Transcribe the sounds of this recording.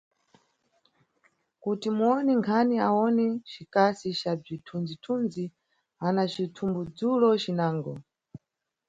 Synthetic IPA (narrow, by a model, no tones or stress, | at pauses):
kutimuɔnɛŋkʰaniaɔnɛt͡ʃikasit͡ʃab͡ʐitʰund͡zitʰund͡zi | anat͡ʃitʰumbud͡zulɔt͡ʃinaːŋɡɔ